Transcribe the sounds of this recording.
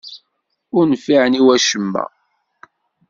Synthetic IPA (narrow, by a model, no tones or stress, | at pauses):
ʊɾnfiʕniwæʃəmːæ̰